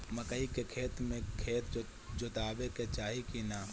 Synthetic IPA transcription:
mɐkəikekʰeːt̪mẽkʰeːt̪ | d͡ʒot̪aːbeket͡ʃaːɦikinaː

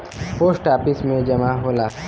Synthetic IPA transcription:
poːsʈaːpɪsmẽd͡ʒɐmaɦoːlaː

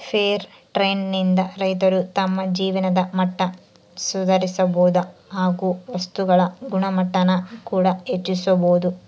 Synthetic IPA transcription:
pʰeːɾ | ʈɾeːnnind̪ɐɾɐjt̪ɐɾut̪ɐmːɐd͡ʒiːʋɐnɐd̪ɐmɐʈːɐ | sud̪ʱɐɾisɐboːd̪ɐɦaːɡuʋɐst̪uɡɐɭɐɡuɳɐmɐʈːɐnɐkuːɽɐet͡ʃːisɐboːd̪u

